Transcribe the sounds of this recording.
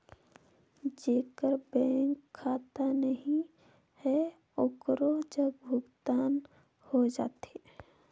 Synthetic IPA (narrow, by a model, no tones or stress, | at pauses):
d͡ʒeːkəɾbɛ̃ːŋkʰːaːt̪anəɦĩ | hɛ | ʊkɾod͡ʒəbbʱʊɡt̪aːn | hod͡ʒa̰ːt̪e